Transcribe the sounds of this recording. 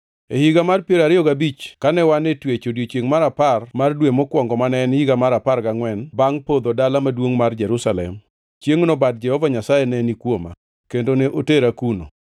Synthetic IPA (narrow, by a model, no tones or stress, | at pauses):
ehiɡamarpjeɾaɾɪɔɡabit͡ʃkanɛwanetwet͡ʃodjet͡ʃeŋmaɾaparmardwemokwɔŋɡɔmanɛnhiɡamaɾaparɡaŋwɛnbaŋpod̪odalamadwoŋmard͡ʒɛɾusalɛ̰m | t͡ʃjeŋnɔbad̚d͡ʒɛhɔvaɲasajɛnɛnikwoma̰ | kendoneʔoteɾakuno̰